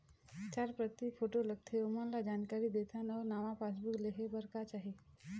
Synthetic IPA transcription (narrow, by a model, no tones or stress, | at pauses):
t͡ʃaɾpɾət̪ipʰoʈolək̚t̪ʰeomənlad͡ʒaːnkaɾid̪et̪ʰanəʋnaːmãpas̬bukleɦebəɾkat͡ʃaːɦe